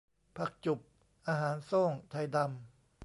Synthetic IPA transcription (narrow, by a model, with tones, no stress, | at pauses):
pʰa˨˧˩k̚t͡ɕu˨˩p̚ | ʔaː˧ɦaː˩˦nsoː˥˩ŋt̪ʰa˧jda˧m